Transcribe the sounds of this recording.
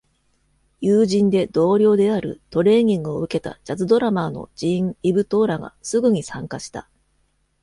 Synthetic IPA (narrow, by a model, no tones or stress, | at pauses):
jɯːʑĩnd̪e̞d̪̥o̞ːɾʲo̞ːd̪e̞aɾɯ̟̰t̪o̞ɾe̞ːɲ̟ʲĩŋɡɯ̟o̞ɯ̟ke̞t̪a̰d͡ʑat͡sɨd̪o̞ɾamano̞̰d͡ʑiŋibɯ̟t̪o̞ːɾaɡa̰sɨɡɯ̟ɲ̟isãŋkaɕi̥t̪a